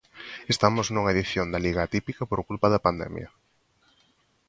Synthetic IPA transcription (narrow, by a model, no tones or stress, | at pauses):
est̪amʊznuŋɐeðiθjond̪ɐliɣat̪ipikɐpoɾkulpaðɐpand̪ɛ̰mjɐ̰